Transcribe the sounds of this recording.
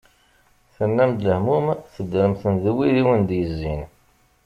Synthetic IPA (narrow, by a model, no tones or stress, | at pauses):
θənːæmd̪ləhmumθəd̪ːɾəmθənðəwːiðiwənd̪jəzːin